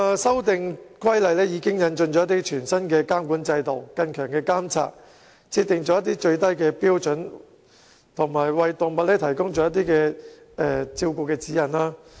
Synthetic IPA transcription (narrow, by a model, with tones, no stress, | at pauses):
sɐ˥wt̪ɪ˨ŋkʰɐ˥jlɐ˨jlɛː˥jiː˨˧kɪ˥ŋjɐ˨˧nt͡ʃɵ˧nt͡ɕt͡ʃɔː˨˦jɐ˥t̪iː˥t͡ʃʰyː˨˩nsɐ˥nkɛː˧kaː˥mkuː˨˥nt͡sɐ˧jt̪o˨wkɐ˧nkʰœː˨˩ŋkɛː˧kaː˥mt͡sʰa̰ː˧t̚ | t͡sʰiː˧t̪ɪ˨ŋt͡ʃɔː˨˥jɐ˥t̪̬iː˥t͡ʃɵ˧ɥt̪ɐ˥jkɛː˧piː˥wt͡ʃɵ˨˥n | t̪ʰʊ˨˩ŋmaː˨˩jwɐ˨jt̪ʊ˨ŋmɐ˨t̚lɛː˥t̪ʰɐ˨˩jkʊ˥ŋt͡ʃɔː˨˥jɐ˥t̪̬iː˥kɛː˧ | ɛ˨˧t͡siː˧wku˨˧kɛː˧t͡siː˨˥jɐ˨˩naː˥